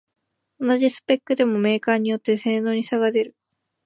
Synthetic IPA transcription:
o̞naʑisɨ̥pe̞kːɯ̟d̪e̞mo̞me̞ːkaːɲ̟ijo̞t̪ːe̞se̞ːno̞ːɲ̟isaɡad̪e̞ɾɯ̟

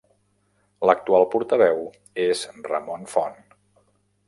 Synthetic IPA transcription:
lək̚t̪ualˠpuɾt̪əβɛw | ezrəmonfɔn

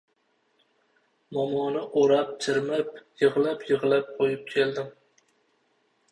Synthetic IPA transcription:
mɒmɒnɪʔoɾap̚t͡ʃʰɪɾmap̚jɨʁlˠapjɨʁlˠap̚qʰojɪp̚kʲʰeld̪ɪm

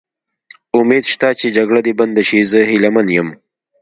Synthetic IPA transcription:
ʊmed̪ʃt̪at͡ʃed͡ʒaɡɽad̪iband̪aʃizəɦɪlamanjəm

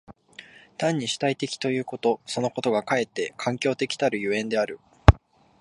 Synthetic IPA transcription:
t̪ãɲ̟ːiɕi̥t̪ait̪e̞kʲi̥t̪o̞jɯ̟ːko̞t̪o̞so̞no̞ko̞t̪o̞ɡakae̞t̪ːe̞kʰãŋkʲo̞ːt̪e̞kʲi̥t̪aɾɯ̟jɯ̟ẽ̞nd̪e̞aɾɯ̟

